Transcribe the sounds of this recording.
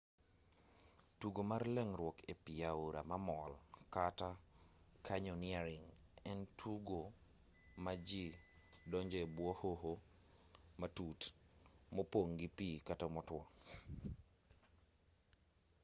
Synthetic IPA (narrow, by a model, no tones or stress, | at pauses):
tuɡomarlɛŋɾwɔkepiauɾamamɔlkata | kʰaɲɔnɪaɾiŋ | ɛntʰuɡo | mad͡ʒi | dɔɲd͡ʒɔebwɔhoɦo | matutmopoŋɡipikatamɔtwɔ